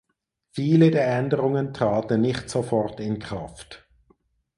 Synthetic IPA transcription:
fiːlədeːɐɛndəʁʊŋəntʁ̥aːtən̩ːɪχtsofɔʁtɪnkʁ̥aft

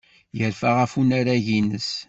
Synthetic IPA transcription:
jəɾfæʁæfunæɾæʝinəs

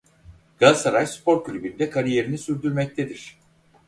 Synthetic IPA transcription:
ɡ̥azˠsaɾajspʰo̞ɾkʰylʲybind̪ɛkʰaɾije̞ɾinisyɾd̪yɾmɛc̚t̪ʰed̪iɾ̝̥

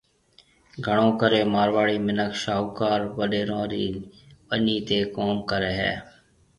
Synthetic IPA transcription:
ɡʱəɳ̃õːkəɾeːmaːɾʋaːɭiːmɪnəkʃaːuːkaːɾʋəɗeːɾãːɾiːpəniːt̪eːkoːmkəɾeːɦɛ̰ː

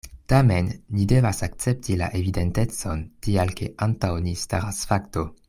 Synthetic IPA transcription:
tame̞nːide̞vasak̚t͡se̞p̚tila̰ʔe̞vide̞nte̞t͡so̞ntialke̞̰ʔantawnistaɾasfakto̞

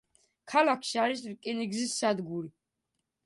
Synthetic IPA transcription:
kʰalakʰʃiaɾisɾkʼiniɡzisːad̪ɡuɾi

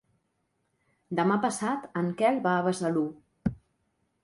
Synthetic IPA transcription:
d̪əmapəsat̪əŋkɛlˠβaəːβəsəlu

